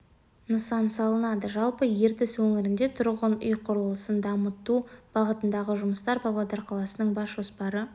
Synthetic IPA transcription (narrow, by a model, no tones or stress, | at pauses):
nəsɑnsɑlˠənɑd̪əʒɑlˠpəje̞ɾt̪ɪswɵŋɪɾɪnd̪e̞t̪ʰʊɾʁənʏ̰jqʰʊɾəlˠəsənd̪ɑmət̪ːub̥ɑʁət̪ənd̪ɑʁəʒʊməst̪ɑɾbɑblˠɑd̪ɑɾqʰɑlˠɑsənəɴbɑsʒ̥o̞spɑɾə